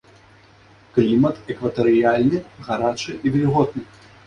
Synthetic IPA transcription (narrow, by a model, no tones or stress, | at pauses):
klʲimɐt̪ɛkvɐt̪ɐɾɨjalʲnɨɣaɾat͡ʂɨʔivʲɛlʲiɣɔd̪̚nɨ